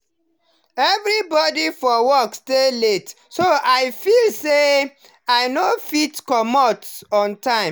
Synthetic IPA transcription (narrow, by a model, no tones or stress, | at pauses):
ɛvɹibɔdifɔwɔkstelet | soʔaɪfilse | aɪnofitkɔmɔtɔ̃ntãɪ̃